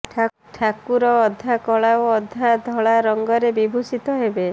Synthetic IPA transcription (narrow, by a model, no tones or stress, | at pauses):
ʈʰa | ʈʰakuɾɔːd̪ʱːakɔɭaoɔd̪ʱːad̪ʱɔɭaɾɔŋɡɔɾebibʱusit̪ɔɦebe